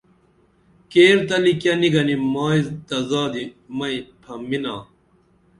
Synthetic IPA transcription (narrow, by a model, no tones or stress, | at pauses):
keːɾt̪ɐlikjɐniɡɐnimaːizt̪ɐzaːd̪i | mɐipʰɐminaː